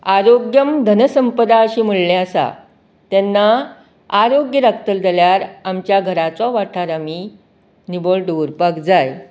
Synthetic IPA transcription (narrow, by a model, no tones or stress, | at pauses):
aɾoɡjəmd̪ʱənəsəmpəd̪aəɕiːm̤əɭleasa̰ | t̪ɛnːa | aɾoɡjəɾəkt̪əld͡z̪ʱaljaɾamt͡ɕjaɡʱəɾat͡sɔʋaʈʰaɾamiː | nibəɭɖəuɾpakd͡zaj